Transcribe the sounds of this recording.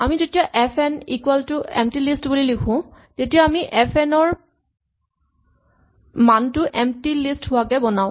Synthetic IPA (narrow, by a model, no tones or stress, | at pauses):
amizetijaʔɛpʰɛnikwaltʊɛ̰mtilistbulilikʰʊ̃tetijaːmiʔɛpʰɛnɔɹ | mantʊʔɛmtilistɦʊwakɛbɔnaʊ̃